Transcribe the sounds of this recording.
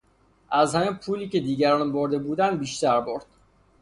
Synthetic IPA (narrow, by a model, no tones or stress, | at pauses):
ʔæzhæmiːmpʰuːliːce̞d̪iːɟæɾɒnboɾd̪e̞buːd̪ænd̪biːʃt̪æɾboɾd̪̥